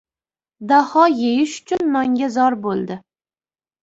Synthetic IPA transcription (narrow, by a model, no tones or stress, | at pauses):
d̪ahɒjejɪʃʊ̥t͡ʃʰʊnːɒŋɡʲazɒɾbolˠd̪ɪ